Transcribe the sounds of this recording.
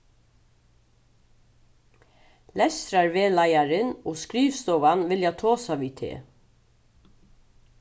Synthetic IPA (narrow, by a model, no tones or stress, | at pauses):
lɛst̪ɾaɹʋeːlajaɾɪnɔːskɾiːʋst̪ɔʋanʋɪljat̪ʰoːsaʋiːt̪ʰḛː